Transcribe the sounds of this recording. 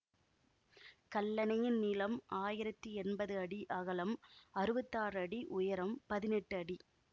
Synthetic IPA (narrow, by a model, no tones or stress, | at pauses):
kɐɭːɐnɐjɪnniːlɐmaːjɪɾɐt̪ːiɛnbɐðɯɐɽiʔɐɣɐlɐmɐɾɯʋɐt̪ːaːɾɐɽiʔʊjɐɾɐmpɐðɪnɛʈːɯɐɽi